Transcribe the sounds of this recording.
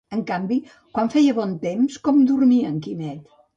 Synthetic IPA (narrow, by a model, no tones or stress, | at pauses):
əŋkambi | kwaɱfɛjəβɔnt̪emskɔmd̪uɾmiəŋkinɛt̪